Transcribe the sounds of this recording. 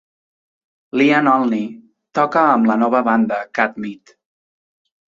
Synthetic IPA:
lianɔlˠni | t̪ɔkəːmlənɔβəβand̪əkat̪mit̪

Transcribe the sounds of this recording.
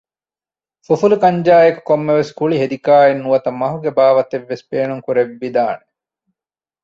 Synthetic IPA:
fufulukɐɲd͡ʒaːjeku̥komːeʋeskuɭiɦed̪ikaːenːuʋɐt̪ɐmɐɦuɡebaːʋɐt̪eʋːespeːnuŋkuɾeʋːid̪aːne

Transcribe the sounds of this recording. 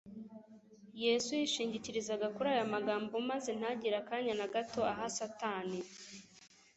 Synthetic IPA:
je̞ːsujiʃiːɲɟiciɾizaɡakuɾaːjamaɡaːmbomaze̞n̥aɟiɾakaːɲanaɡato̞aɦasataːni

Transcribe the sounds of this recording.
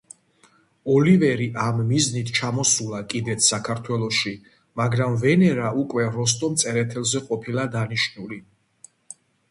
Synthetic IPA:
ɔlivɛɾiʔamːiznit̪ʰt͡ʃʰamɔsulˠakʼid̪ɛt̪sʰsakʰaɾt̪ʰwɛlˠɔʃi | maɡɾamvɛnɛɾaukʼwɛɾɔs̬t̪ʼɔmt̪sʼɛɾɛt̪ʰɛlˠzɛqʼɔpʰilˠad̪aniʃnuli

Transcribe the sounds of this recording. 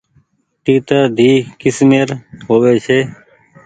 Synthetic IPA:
ʈiːt̪əɾd̪ʱiːkɪsmeːɾɦoːʋeːt͡ʃeː

